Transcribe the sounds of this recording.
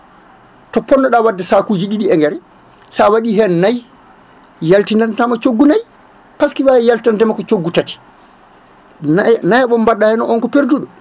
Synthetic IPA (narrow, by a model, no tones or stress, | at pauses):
tɔpɔnːɔɗawadːɛsakud͡ʒiɗiɗiɛŋɡɛɾɛ | sawaɗiːɦɛnnaj | jaltinantamat͡ʃoɡːunaj | paskiwajɛjaltantɛmakɔt͡ʃoɡːutati̥ | najaɓɔmbaɗːahɛnɔʔɔnkɔpeɾduɗɔ